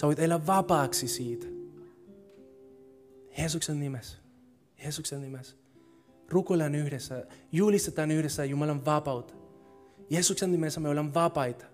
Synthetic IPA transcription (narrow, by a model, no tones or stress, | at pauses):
seoit̪elːæʋʋɑpɑːksisiːt̪ | jeːs̬uksenːimes | jeːsuksennimes | rukoilɑnyhɾesːæjulist̪et̪ɑːnyhɾesːæjumɑlɑnʋɑpɑut̪ | jeːsuksennimesːæmeolenʋɑpɑjt̪ɑ̥